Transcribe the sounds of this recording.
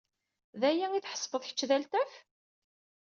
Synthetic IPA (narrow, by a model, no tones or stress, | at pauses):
ðæjæŋiθħə̥sˤbəðˤçə̥t͡ʃːðælt̪æf